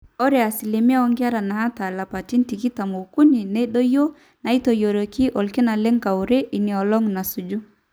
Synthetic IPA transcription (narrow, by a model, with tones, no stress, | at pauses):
o˦ɾɛ˨a˨si˨li˨mi˦a˦ɔ˦ŋɡa˦ɾa˨na˨a˦ta˨la˨pa˨ti˦nti˨ki˦ta˨mo˨ku˦ni˨ne˦ɗo˦jo˦ | na˨i˦to˨jo˨ɾo˨ki˦ʔɔ˨lki˦na˨le˦ŋka˨u˨ɾe˦ʔi˨ni˨ɔ˨lɔ˦ŋna˨su˨d͡ʒu˦